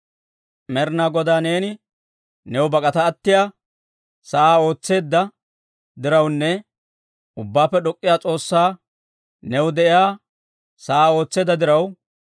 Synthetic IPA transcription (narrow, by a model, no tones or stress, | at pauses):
mɛɾnaːɡɔd̪aːne̞ːnɪ | nɛwʊbɐkʼɐt̪ɐːt̪ːɪjaː | sɐaːo̞ːt͡sːe̞ːd̪ːɐ | d̪ɪɾɐwnːɛ | ʊbːaːpːɛɗɔkʼːɪjaːt͡sʼo̞ːsːaː | nɛwʊd̪ɛʔɪjaː | sɐaːo̞ːt͡sːe̞ːd̪ːɐd̪ɪɾɐw